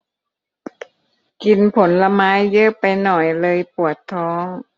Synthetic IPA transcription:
ki˧npʰo˩˦nla˧maː˦˥jːɤ˦˥pa˧jnɔ˨˩jlɤː˧jpu˨˩ət̪ʰːɔː˦˥ŋ

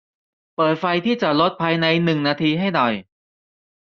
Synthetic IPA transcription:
pɤː˨˩t̪̚fa˧jt̪ʰiː˥˩t͡ɕa˨˩lo˦˥t̪̚pʰaː˧jna˧jnɯ˨˩ŋnaː˧t̪ʰiː˧ɦa˥˩jnɔ˨˩j

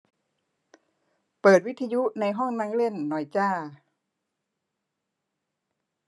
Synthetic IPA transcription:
pɤː˨˩t̪̚wi˦˥t̪ʰːa˧ju˦˥na˧jɦɔ˥˩ŋna˦˥ŋle˥˩nːɔ˧˩jt͡ɕaː˥˩

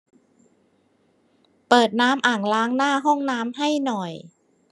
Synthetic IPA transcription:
pɤː˨˩t̪̚naː˦˥mʔaː˨˩ŋlaː˦˥ŋnaː˥˩ɦɔ˥˩ŋnaː˦˥mɦa˥˩jnɔ˨˩j

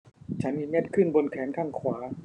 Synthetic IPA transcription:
t͡ɕʰa˦˥nmiː˧ɲɛ˥˩t̪̚kʰɯ˥˩nbo˧nkʰɛː˩˦˥nkʰaː˥˩ŋkʰwaː˩˦˥

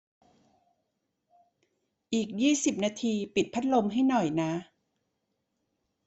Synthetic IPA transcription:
ʔiː˨˩k̚jiː˥˩si˨˩p̚naː˧t̪ʰiː˧pi˨˩t̪̚pʰa˦˥t̪̚lo˧mɦa˥˩jnɔ˨˩jna˦˥

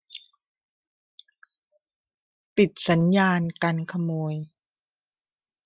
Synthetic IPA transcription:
pi˨˩t̪̚sa˩˦njaː˧nka˧nkʰa˧moː˧j

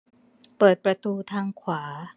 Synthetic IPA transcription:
pɤː˨˩t̪̚pɾa˧t̪uː˧t̪ʰaː˧ŋkʰwaː˩˦

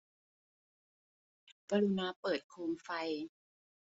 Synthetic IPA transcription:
kaː˧ɾu˧naː˧˩pɤː˨˩t̪̚kʰoː˧mfa˧j

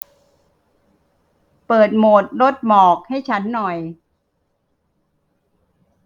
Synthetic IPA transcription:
pɤː˨˩t̪̚moː˨˩t̪̚ɾo˦˥t̪̚mɔː˨˩k̚ha˥˩jt͡ɕʰa˦˥nːɔ˨˩j

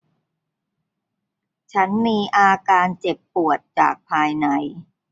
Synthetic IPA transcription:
t͡ɕʰa˦˥nmiː˧ʔaː˧kaː˧nt͡ɕe˨˩pːu˨˩ət̪̚t͡ɕa̰ː˨˩k̚pʰaː˧jna˧j

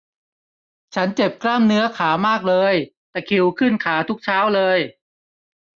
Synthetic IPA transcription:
t͡ɕʰa˦˥nt͡ɕe˨˩p̚klaː˥˩mnɯ˦˥ɐkʰaː˩˦maː˥˩k̚lɤː˧jt̪ɛː˨˩kʰi˩˦wkʰɯ˥˩nkʰaː˩˦t̪ʰu˦˥k̚t͡ɕʰaː˦˥wlɤː˧j

